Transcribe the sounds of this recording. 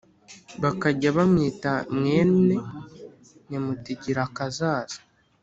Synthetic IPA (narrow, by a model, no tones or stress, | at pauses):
βakaɟaβamŋiːtamŋeːne | nemutiɟiɾakazaːz̥ḁ